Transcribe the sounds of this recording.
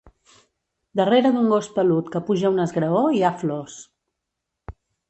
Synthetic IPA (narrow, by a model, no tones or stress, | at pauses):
d̪əreɾəd̪uŋɡospəlut̪kəpuʒəunəzɣɾəoiaflos